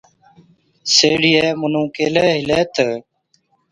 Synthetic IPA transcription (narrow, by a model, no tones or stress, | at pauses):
seːɽieːmʊnũːkeːleːɦɪleːt̪ə